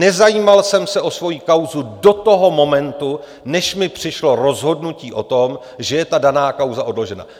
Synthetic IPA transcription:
ɛzajiːmalsɛmsɛʔo̞svo̞jiːkawzudo̞t̪o̞ɦo̞mo̞mɛnt̪u | nɛʃmɪpr̥ɪʃlo̞ɾo̞zɦo̞dnuciːʔo̞t̪o̞m | ʒɛjɛt̪adanaːkawzaʔo̞dlo̞ʒɛna̰

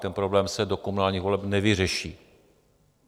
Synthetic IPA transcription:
t̪ɛnpɾo̞blɛːmsɛdokomunaːlɲiːxvo̞lɛpnɛvɪrɛʃiː

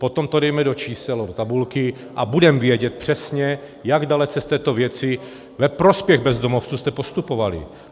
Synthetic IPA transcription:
po̞t̪omt̪odɛjmɛdot͡ʃiːsɛlodot̪abulkɪ | ʔabudɛmvjɛɟɛt̪̚pr̝̥ɛsɲɛ | jaɡdalɛt͡sɛst̪ɛːt̪ovjɛt͡sɪ | vɛpɾo̞spjɛɣbɛzd̪omoft͡suːst̪ɛpo̞st̪upovalɪ̰

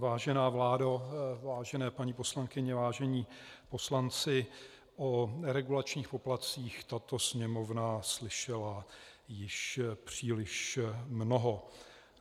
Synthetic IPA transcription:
vaːʒɛnaːvlaːdavaːʒɛnɛːpaɲipo̞slaŋkɪɲɛvaːʒɛɲiːpo̞slant͡sɪ | ʔonɛɾɛɡulat͡ʃɲiːxpoplat͡siːxt̪at̪o̞sɲɛmovnaslɪʃɛlajɪʃpr̝̥iːlɪʃmnoɦo

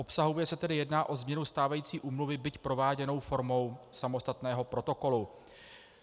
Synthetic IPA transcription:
ʔo̞psaɦovjɛsɛt̪ɛdɪjɛdnaːʔo̞zmɲɛnust̪aːvajiːt͡siːʔuːmluvɪbɪcpɾo̞vaːɟɛno̞wfo̞ɾmo̞wsamo̞st̪at̪nɛːɦo̞pɾo̞t̪o̞ko̞lu

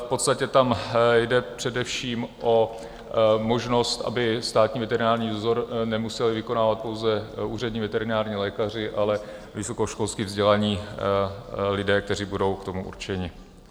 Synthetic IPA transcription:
fpo̞t̪st̪acɛt̪amjdɛpr̝̥ɛdɛfʃiːmʔo̞ | mo̞ʒno̞st̪ʔa̰bɪst̪aːt̪ɲiːvɛt̪ɛɾɪnaːɾɲiːzoɾnɛmusɛlɪvɪko̞naːvat̪̚po̞wzɛʔuːr̝ɛdɲiːvɛt̪ɛɾɪnaːɾɲiːlɛːkar̝ɪʔalɛ | vɪso̞koʃko̞lskiːvzɟɛlaɲiː | lɪdɛːk̚t̪ɛr̝ibudo̞wkt̪o̞muʔṵɾt͡ʃɛɲɪ

